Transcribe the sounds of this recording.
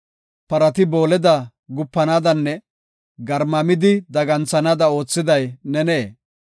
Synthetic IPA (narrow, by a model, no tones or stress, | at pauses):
pɐɾɐt̪ɪbo̞ːlɛd̪ɐ | ɡʊpːɐnaːd̪ɐnːɛ | ɡɐɾmɐmɪd̪ɪd̪ɐɡɐnt͡sːɐnaːd̪ɐo̞ːt͡sːɪd̪ɐjnɛneː